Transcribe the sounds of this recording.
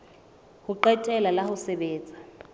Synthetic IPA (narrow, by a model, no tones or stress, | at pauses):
huǃɛtʼɛlalahusɛɓeːnd͡zʱʼa